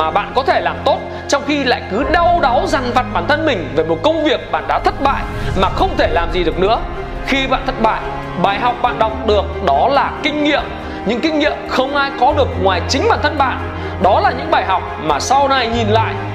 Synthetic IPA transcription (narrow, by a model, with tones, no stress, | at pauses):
maː˨˩ɓa̰ː˧˨nkɔ˨˦t̪ʰe˧˩laː˨˩mt̪o˦˥t̚ | t͡ɕɔ˧wŋ͡mxi˧la̰ː˧˨jkɨ˨˦ɗa˧wɗa˨˦wza˨˩ŋ̟va˨˩t̚ɓaː˧˩nt̪ʰə˧nmï˨˩ŋ̟ve˨˩mo˨˩t̚kə˧wŋ͡mvi˨˩ək̚ɓa̰ː˧˨nɗa̰ː˧˥t̪ʰə˦˥t̚ɓa̰ː˧˨jmaː˨˩xə˧wŋ͡mt̪ʰe˧˩laː˨˩mzi˨˩ɗɨ˨˩ək̚nɨ̰˧˥ə | xi˧ɓa̰ː˧˨nt̪ʰə˦˥t̚ɓa̰ː˧˨j | ɓaː˨˩jɦa˨˩wk͡p̚ɓa̰ː˧˨nɗɔ˨˩wk͡p̚ɗɨ˨˩ək̚ɗɔ˨˦laː˨˩kï˧ŋ̟ŋḭ˧˨əm | ɲɨ̰˧˥ŋkï˧ŋ̟ŋḭ˧˨əmxə˧wŋ͡mʔaː˧jkɔ˨˦ɗɨ˨˩ək̚ŋwaː˨˩jt͡ɕï˨˦ŋ̟ɓaː˧˩nt̪ʰə˧nɓa̰ː˧˨n | ɗɔ˨˦laː˨˩ɲɨ̰˧˥ŋɓaː˨˩jɦa˨˩wk͡p̚maː˨˩sa˧wna˧jɲi˨˩nla̰ː˧˨jʔ